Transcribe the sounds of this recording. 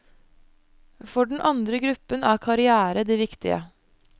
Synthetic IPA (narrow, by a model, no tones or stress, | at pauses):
fɔɖɳ̩ʔɑnd̪ɾəɡɾʉpːənɑːkʰɑɾɪæːɾəd̪iːʋɪkt̪ɪ̰ə̰